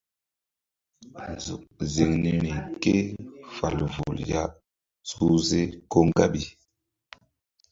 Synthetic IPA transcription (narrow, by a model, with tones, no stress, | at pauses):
n˨zṵ˨ʔ̚ze˨ŋne˨nɛ˨ke˦fa˨lvu˨lja˦ | su˦ze˦ko˦ŋɡa˦ɓi˨